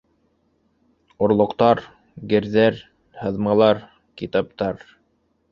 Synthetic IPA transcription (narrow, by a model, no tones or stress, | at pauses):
ŏɾlˠŏqt̪ɑɾ | ɡɘ̆ɾðæɾ | hɤ̆ðmɑlˠɑɾ | kit̪ɑp̚t̪ɑɾ